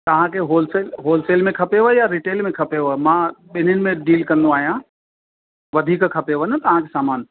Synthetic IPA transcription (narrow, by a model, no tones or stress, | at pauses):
t̪ɐʋ̤ãkʰeɦoːlseːlɦoːlseːlmẽkʰɐpeʋəɦjaɾiːʈeːlmẽkʰɐpeʋəmãɓɪnənɪ̆mẽɖiːlkɐ̃nd̪oaːɦijã | ʋɐd̪ʱiːkkʰɐpeʋənət̪ɐʋ̤ãkʰesaːmaːn